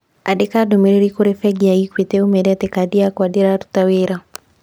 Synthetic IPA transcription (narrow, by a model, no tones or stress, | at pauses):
a̰dekadomeɾiɾikoɾefɛɡiaikwit̪ɛumɛdɛt̪ekadiakwadiɾaɾu̥taweɾa